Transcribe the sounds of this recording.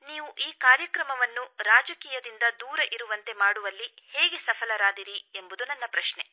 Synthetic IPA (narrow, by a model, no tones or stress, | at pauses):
niːʋuʔiːkaːɾjɐkɾɐmɐʋɐnːuɾaːd͡ʒɐkiːjɐd̪ind̪ɐd̪uːɾɐʔiɾuʋɐnt̪e̞maːɽuʋɐlːiheːɡesɐpʰɐlɐɾaːd̪iɾie̞mbud̪unɐnːɐpɾɐʃne̞